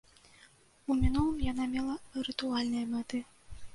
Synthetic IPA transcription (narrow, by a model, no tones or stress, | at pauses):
umʲinulˠɨmjanamʲɛlˠɐɾɨt̪ualʲnɨjɐmat̪ɨ